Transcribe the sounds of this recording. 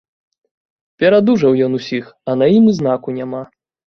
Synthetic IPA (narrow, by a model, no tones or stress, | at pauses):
pʲɛɾad̪uʐɐwjɔnusʲixɐnajimʲiznakunʲama